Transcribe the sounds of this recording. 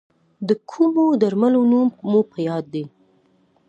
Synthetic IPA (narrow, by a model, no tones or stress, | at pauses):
d̪əkʰumod̪aɾmalonummopʰəjɑd̪ːe